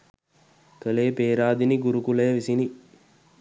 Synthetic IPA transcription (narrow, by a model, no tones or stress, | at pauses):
kəleːpeːɾaːd̪iniɡuɾukuləjəʋisini